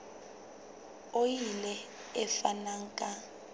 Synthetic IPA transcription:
ojilɛ | ɛfanaŋ̩kʼa

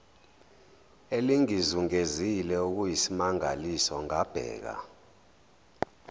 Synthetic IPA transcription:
eliŋizuŋezilɛuk̬ujisimaŋa̰lisɔŋab̥ʱɛ̰ːk̬a̰

